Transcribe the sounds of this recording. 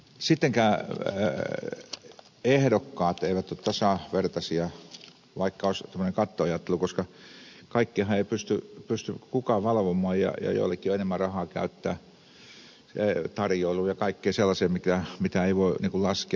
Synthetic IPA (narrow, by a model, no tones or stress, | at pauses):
sit̪ːeŋkæː | ehɾokːɑːt̪eiʋæt̪ːot̪t̪ɑsɑˑʋert̪ɑsiɑ | ʋɑikːɑoˑst̪æmːøneŋkɑt̪ːoɑjɑˑt̪ːelukoskɑkɑikːeːhɑeipyst̪ypyst̪ykukɑʋɑlʋomˑɑːjjɑ̰jɑ̰jo̰ilːekːioenemːærɑhɑˑːkæ̰yt̪ːæ̰ː | t̪ɑrjoˑiluːjɑkɑikːeːselːɑseːmikæmit̪æeiʋoiniŋkullɑske